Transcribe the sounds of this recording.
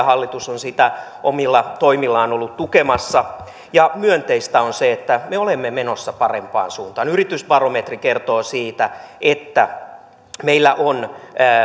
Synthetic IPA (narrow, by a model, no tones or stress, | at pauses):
hɑlːit̪usonsit̪æ | ʔomilːɑt̪oimilːɑːnolːut̪t̪ukemɑsːɑ | jɑmyønt̪eist̪æonseet̪ːæmeolemːemenosːɑpɑrempɑ̰ːnsuːnt̪ɑːnyrit̪ysbɑromet̪rikert̪oːsiːt̪æʔet̪ːæ | meilːæʔonː